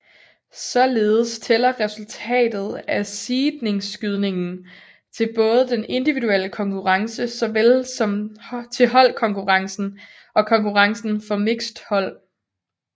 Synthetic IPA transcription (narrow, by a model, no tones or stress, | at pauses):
sɒ̽le̝ːð̞̩ˠəst͡sʰelɐʁɛsult͡sʰɛ̰ːd̥ð̞̩ˠæsiːd̥ne̝ŋsɡ̥yð̞ˠne̝ŋn̩ | t͡sʰe̝lb̥ɔ̽ːð̞ˠəd̥ene̝nd̥iʋiduel̰əkʰɒ̽ŋkʰuʁɑ̈ŋsəsɒ̽ʋelsɒ̽mt͡sʰe̝ɦɒ̽l̰kʰɒ̽ŋkʰuʁɑ̈ŋsn̩ | ɒ̽kʰɒ̽ŋkuʁɑ̈ŋsn̩fɒ̽me̝ɡ̥sd̥hɒ̽l̰